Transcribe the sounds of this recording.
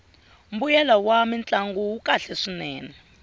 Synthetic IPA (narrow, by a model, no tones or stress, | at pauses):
m̩bujɛlawamint͡ɬʼaŋɡuukʼaɬɛʂinɛːnɛ